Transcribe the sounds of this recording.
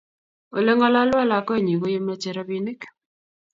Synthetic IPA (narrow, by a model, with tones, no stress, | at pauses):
o̰˨le˦ŋɔ˦la˦la˦la˨kɔ˦˨ɲi˨ɣo˦je˦ma˦t͡ʃɛ˨ɾa˦βi˦nɪ˦k